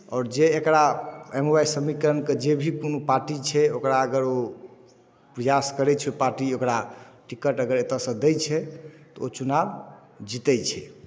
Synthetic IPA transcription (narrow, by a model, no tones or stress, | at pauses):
ɔːɾd͡ʒeːkɾaemobajsəmikɾənked͡ʒebʱikonopaɾʈit͡ʃʰɛokɾaəɡəɾo | pɾəjaskəɾɛt͡ʃʰɛpaɾʈiokɾaʈikəʈəɡəɾet̪əsə̃d̪et͡ʃʰɛt̪ɔot͡ʃunab | d͡ʒit̪ɛt͡ʃʰɛ̰